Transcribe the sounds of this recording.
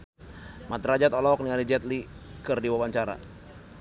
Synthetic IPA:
mat̪ɾad͡ʒat̪ɔlɔk̚nianid͡ʒɛt̪li | kərdiwawaɲt͡ʃaɾa̰

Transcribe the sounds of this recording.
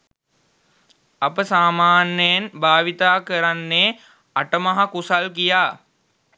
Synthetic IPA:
ɐpəsaːmaːnːəjenbʱaːʋit̪aːkəɾanːe | aʈəmaɦakusalkijaː

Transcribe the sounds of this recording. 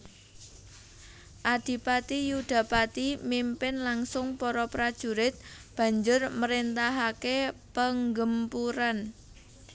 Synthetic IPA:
ʔad̪̥i̤pat̪ijuɖ̥ä̤pat̪imimpɪnlaŋsʊŋpɔɾɔpɾad̥ʒ̥ṳɾɪt̪̚ | b̥ä̤ɲd͡ʒʊrməɾint̪aɦakepəŋɡəmpuɾan

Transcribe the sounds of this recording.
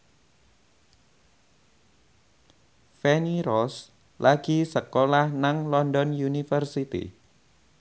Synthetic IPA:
fɛniɾɔs | lʔaɡ̥isəkolahnaŋlɔndɔnjunifərsit̪ḭ

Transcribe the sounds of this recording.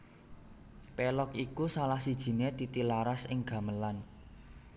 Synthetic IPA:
pɛlɔkikusalahsid̥ʒ̥i̤ned̪̥it̪ilaɾasɪŋɡ̥ä̤məlan

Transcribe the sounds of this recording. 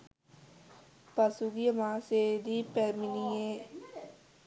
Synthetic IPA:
pɐsuɡijəmãːseːd̪iːpɛɾminieː

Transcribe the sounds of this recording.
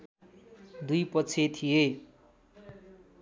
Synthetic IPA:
d̪ujpʌt͡sʰet̪ʰije

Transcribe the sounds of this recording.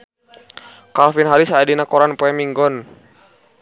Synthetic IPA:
kalfinɦaɾisaːdinakɔɾanpɔɛmiŋɡɔn

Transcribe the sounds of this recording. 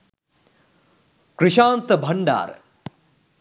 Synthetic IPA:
kɾiʂaːnt̪ɐbʱɐɳɖa̰ːɾ̰

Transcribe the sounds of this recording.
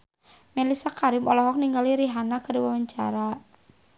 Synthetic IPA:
mɛlisakaɾɪmɔlɔɦɔk̚niŋɡaliɾiɦanakədiwawaɲt͡ʃa̰ɾa

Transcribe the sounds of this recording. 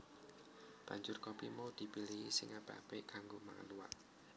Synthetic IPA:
b̥a̤ɲd͡ʒʊrkɔpimaud̪̥i̤pilihisiŋab̥a̤̰pekaŋɡoma̰ŋə̰luwa̰ʔ

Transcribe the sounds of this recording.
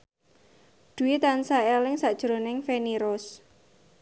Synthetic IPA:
ɖ̪̥ṳwit̪ansaelɪŋsad̥ʒ̥ɾonɪŋfeniɾɔs

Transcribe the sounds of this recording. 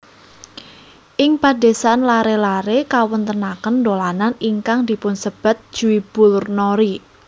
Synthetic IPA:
ʔɪŋpade̤sanlaɾelaɾekawʊnt̪ənakəndolananiŋkaŋd̪̥i̤pʊnsəb̥a̤t̪̚d̥ʒ̥uib̥ʊ̤lrnoɾi

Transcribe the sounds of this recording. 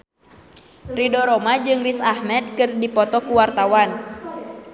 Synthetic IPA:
ridɔɾɔmad͡ʒɨŋrisahmɛt̪̚kɨrdipɔt̪ɔkuwart̪awan

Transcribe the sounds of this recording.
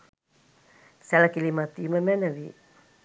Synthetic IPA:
sɛləkilimat̪iməmɛnəʋi

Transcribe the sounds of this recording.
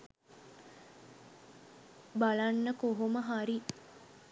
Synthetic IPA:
balanːəkoɦoməɦaɾi

